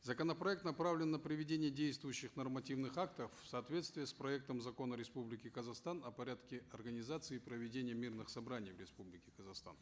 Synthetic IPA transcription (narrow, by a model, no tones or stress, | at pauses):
zəkənəpɾɐɛk̚t̪nɐpɾavlʲɪnːəpɾʲɪvʲɪdʲenʲɪjədʲejst̪vʊjʉɕːɪxnərmɐtʲivnɨxak̚t̪əfffsɐːt̪vʲe̞t̪st̪vʲɪjəspɾɐɛk̚t̪əmzɐko̞nəɾʲɪspublʲɪkʲɪkəzɐxst̪anɐpɐɾʲat̪kʲɪɐrɡənʲɪzat̪sɨɪːpɾəvʲɪdʲenʲɪjəmʲirnɨxsɐbɾanʲɪjvɾʲɪspublʲɪkʲɪkəzɐxst̪a̰n